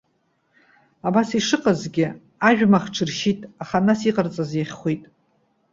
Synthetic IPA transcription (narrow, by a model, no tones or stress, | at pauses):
abasiʂɨqʼazɡʲɪ | aʒᶣmaχʈ͡ʂʰɨrʃitʼaχanasiqʼart͡sʼazeχʲχʷejtʼ